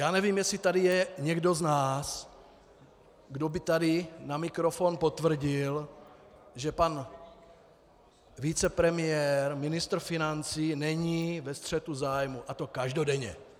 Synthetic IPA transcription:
jaːnɛviːmjɛsit̪adijɛɲɛɡdo̞znaːs | ɡdobɪt̪adɪnamɪkɾofonpo̞t̪vr̩ɟɪl | ʒɛpan | vit͡sɛpɾɛmɪjɛːɾmɪnɪst̪r̩fɪnant͡siːnɛɲiːvɛst̪r̝̥ɛt̪uzaːjmuʔat̪o̞kaʒdodɛɲɛ̰

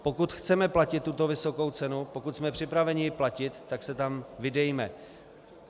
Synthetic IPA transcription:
po̞kut̪xt͡sɛmɛplacɪt̪̚ːut̪o̞vɪso̞ko̞wt͡sɛnupo̞kut̪smɛpr̝̥ɪpɾavɛɲɪjɪplacɪt̪ːaksɛt̪amvɪdɛjmɛ

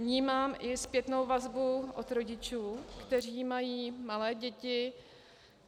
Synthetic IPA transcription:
ɲiːmaːmʔɪspjɛt̪no̞wvazbuʔot̪ɾo̞ɟɪt͡ʃuːkt̪ɛr̝iːmajiːmalɛːɟɛcɪ

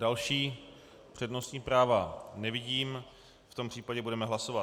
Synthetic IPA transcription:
dalʃiː | pr̥ɛdno̞st̪ɲiːpɾaːvanɛvɪɟiːm | ft̪ompr̝̥iːpaɟɛbudɛmɛɦlaso̞va

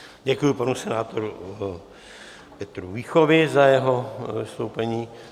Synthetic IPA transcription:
ɟɛkujupanusɛnaːt̪oɾu | pɛt̪ɾuviːxovɪzajɛɦo̞vɪst̪owpɛɲiː

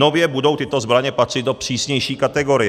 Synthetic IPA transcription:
o̞vjɛbudo̞wt̪ɪt̪o̞zbɾaɲɛpat̪rɪt̪do̞pr̝̥iːsɲɛjʃiːkat̪ɛɡo̞ɾɪjɛ

